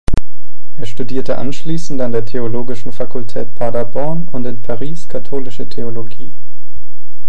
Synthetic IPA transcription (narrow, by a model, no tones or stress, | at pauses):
ʔeːɐʃtudiːɐtəʔa̰nʃliːsn̩tandeːɐtʰeoloːɡɪʃn̩fakʊltʰɛːtpʰaɐdabɔɐnʊntɪnpʰaʁiːskʰatʰoːlɪʃətʰeoloɡiː